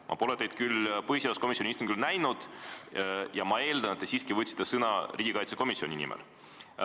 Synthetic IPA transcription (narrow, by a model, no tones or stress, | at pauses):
mʔɑ̰po̞let̪ejd̪̚kylpɤhiseælusko̞misʲjonʲiist̪umŋkylnæjnud̪̥ | jɑmɑe̞ːld̪ɑnet̪ːesiːskivɤt̪ʲsi̥t̪ːˑesɤnɑriːɡ̥ʲikɑjt̪seko̞misio̞nʲinḭmɛ̰l